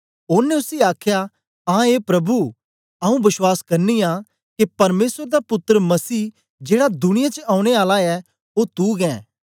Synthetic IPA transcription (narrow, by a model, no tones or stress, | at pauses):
ʊnːẽʊsiaːkʰja | ãːeːpɾɐbu | ɐũbɪswaːskɐɾnija | kepɐɾmeːsɾed̪apʊt̪ːəɾəmɐsiː | d͡ʒeːɽad̪ʊɽ̃ɪjat͡ʃəãːũɽ̃eaːlaɛ | ot̪uːɡɛ̃ː